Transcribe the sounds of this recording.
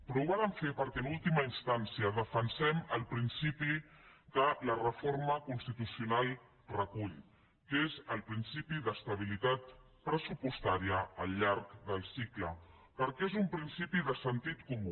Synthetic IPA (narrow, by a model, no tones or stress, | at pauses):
pɾɔuβaləɱfepəɾkɛənulˠt̪iməinst̪ansiəðəfənsɛməlˠpɾinsipid̪ələrəfoɾməkunst̪it̪usiunalˠ | rəkuʎ | kezəlˠpɾinsipiðəst̪əβ̞ilit̪at̪ | pɾəsupust̪aɾiəːlʎaɾkðəlˠsiklə | pəɾkɛezumpɾinsipiðəsənt̪it̪kumu